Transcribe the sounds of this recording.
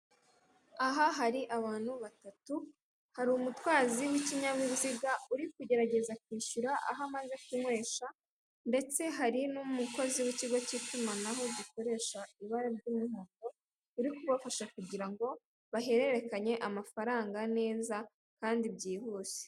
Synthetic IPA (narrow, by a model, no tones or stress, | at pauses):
aɦaɦaɾiʔaβaːn̥huβatatu | haɾumutwaːziwiciɲaβwiβziɡauɾik̚uɟe̞ɾaɟe̞zak̚wiːʃuɾaʔa̰ɦamaze̞kumwe̞ːʃa | nde̞t͡se̞ɦaɾinumuko̞ziwiciɡo̞citumanaɦo̞ɟiko̞ɾe̞ːʃaiβaɾaɾɟumuhoːto̞ | uɾikuβafaʃakuɟiɾaŋɡo̞ | βaɦe̞ɾe̞ɾe̞kaɲe̞ʔamafaɾaːŋɡane̞ːza | kaːndibɟiːhuːse̥